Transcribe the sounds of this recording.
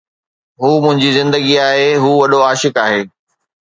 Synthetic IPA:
ɦuːmʊ̃ɦɪ̃ɲd͡ʑizɪ̃nd̪əɡiaːɦeɦuːʋɐɗoaːʃɪkaːɦeː

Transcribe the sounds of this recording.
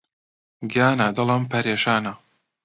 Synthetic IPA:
ɡjaːnad̪ɐlɐmpʰɐɾeːʃaːna

